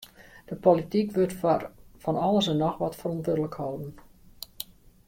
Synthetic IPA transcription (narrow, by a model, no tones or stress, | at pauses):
d̥əpolitikʋøtfɔnɔlˠəsənɔxʋɔtfərɔntʋødələkhoːdn̩